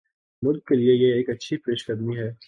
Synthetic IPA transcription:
mʊlkːeliejeːkɐtːʃʰipeːʃkɐd̪miɦɛː

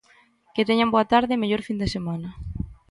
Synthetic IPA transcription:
ket̪eɲamboat̪aɾðɪmeʎoɾfind̪esemanɐ

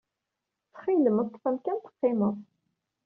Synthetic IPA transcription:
t͡sːə̥χiləməðt̪ːˤθæmkænt̪ə̥qːɪməðˤ

